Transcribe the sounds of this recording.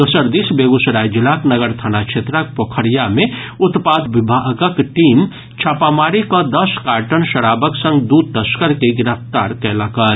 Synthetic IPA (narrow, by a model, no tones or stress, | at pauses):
d̪usəɾd̪isbeɡusɾajd͡ʒilaknəɡəɾt̪ʰanat͡ʃʰet̪ɾək̚pokʰəɾijame | ut̪pad̪bibʱaɡəkʈim | t͡ʃʰapamaɾikə̃d̪əskaɾʈənsəɾabəksə̃ŋɡd̪ud̪̚t̪əskəɾkeɡiɾəp̚ʰt̪aɾkɛləkəl